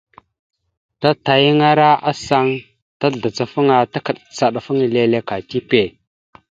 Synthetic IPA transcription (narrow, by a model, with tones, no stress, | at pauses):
ta˦ta˨ji˦ŋa˦ɾa˦a˦sa˦ŋ | ta˦ɮa˨t͡sa˨fə˦ŋa˨ta˦kə˨ɗt͡sa˨ɗa˨fə˦ŋ˨le˦le˦ka˨ti˦pe˨